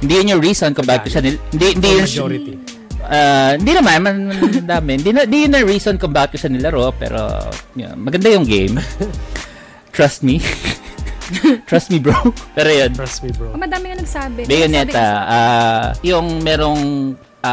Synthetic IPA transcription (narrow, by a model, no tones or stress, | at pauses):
hɪnd̪ijʊnjʊɹiːsonkʊmbaːkɪt̪̚kʊʃanɪlhɪnd̪ihɪnd̪ijʊn | ʔahɪnd̪inɐmanmɐnɐnnɐnd̪aːmɪhɪnd̪inɪnd̪ijʊnːɐɹiːsonkʊmbaːkɪt̪kʊʃanɪlɐɾopɛ̰ːɾo̰jo̰mɐɡɐnd̪ajʊŋɡḛjm | t̪ɹɐst̪̚mi | t̪ɹɐst̪̚mibɹowpɛːɾojonmɐd̪aːmɪɐnɐɡsaːbɪbɛjʊnɛt̪ɐʔajʊŋmɛːɾoŋ | ʔa